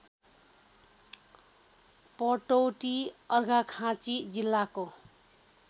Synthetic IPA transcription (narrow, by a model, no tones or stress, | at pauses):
pʌʈowʈiʌrɡʱakʰãt͡sid͡zilːako